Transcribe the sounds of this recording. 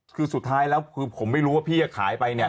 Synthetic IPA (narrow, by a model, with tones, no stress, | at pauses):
kʰɯː˧su˨˩t̪ʰːaː˦˥jlɛː˦˥wkʰɯː˧pʰo˩˦mːa˥˩jɾuː˦˥waː˥˩pʰiː˥˩a˧˩kʰaː˩˦jpa˧jni˥˩ɐ